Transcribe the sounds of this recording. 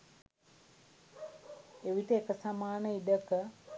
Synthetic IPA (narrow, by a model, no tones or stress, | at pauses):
eʋitəekəsamaːnəidəkə